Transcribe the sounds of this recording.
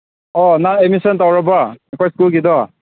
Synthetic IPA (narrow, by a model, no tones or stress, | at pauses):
ɔnaemisɔntawɹabaɛpʰajskulkidɔ